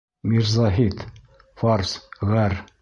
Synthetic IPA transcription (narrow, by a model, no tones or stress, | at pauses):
miɾzɑɦit̪ | fɑɾsʁæɾ